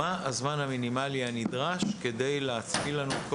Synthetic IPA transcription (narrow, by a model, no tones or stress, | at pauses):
aʔazmanhaminimalianid̪ʁaʃke̞de̞jleat͡spilanuk